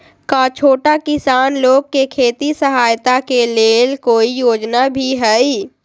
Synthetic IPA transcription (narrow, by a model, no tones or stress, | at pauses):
kat͡ʃʰoːʈakɪsaːnloːɡ̚kekʰeːt̪isəɦaːjt̪akeleːlkoːijoːd͡ʒnabʱiɦɛi